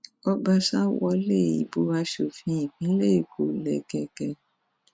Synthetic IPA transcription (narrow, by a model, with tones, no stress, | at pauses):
ɔ˧ba˧ʃa˦wɔ˧le˦˨ḭ˨bo˨˦wa˧ʃo˨fĩ˧˦ĩ˨kĩ˨˦le˦i˨kʰo˨lɛ˨ɡɛ˧ɡɛ˧